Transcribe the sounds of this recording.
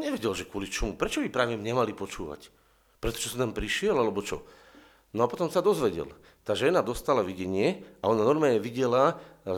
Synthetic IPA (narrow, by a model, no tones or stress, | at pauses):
ɲɛʋɛɟɛlʒɛkʊɔlit͡ʃɔmupɾɛt͡ʃɔbipɾaːʋɛmɲɛmalipɔt͡ʃuːʋa̰c | pɾɛt̪ɔ̥ʒɛsɔt̪ampɾiʃɪɛlalɛbɔt͡ʃɔ̰ | nɔapɔt̪ɔmsad̪ɔzʋɛɟɛ̰l | t̪aːʒɛnad̪ɔst̪alaʋiɟɛɲɪɛaɔnanɔɾmaːlɲɛʋiɟɛla